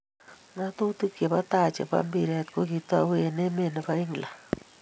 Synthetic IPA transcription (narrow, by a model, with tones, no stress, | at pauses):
na˦to˦tu˦kje˨pa˦ta˦˨t͡ʃḛ˨pa̰˦mbi˨ɾɛ˨tko˦ki˦ta̰˦we˦ne˦me˦˨ne˨pa˦i˦ŋla˨